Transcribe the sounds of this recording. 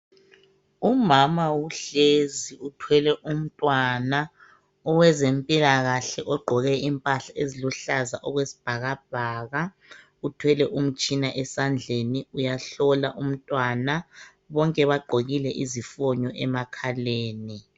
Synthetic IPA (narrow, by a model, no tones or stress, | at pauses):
umamawuɬeziutʰwɛlɛʔum̩tʼwana | ɔwɛzempʼilaɣaɬɛʔɔɡ͡ǃʱɔɣɛimpʼaɬaʔeziluɬazaʔɔɣwesi̥b̥ʱaɣab̥̚ʱaːɣa | utʰwɛlɛʔum̩t͡ʃʼinaʔɛsand͡ɮʱeniujaɬɔlaʔum̩tʼwana | βɔŋkʼɛβaɡ͡ǃʱoɣilɛʔizifɔɲɔʔɛmakʰaleːni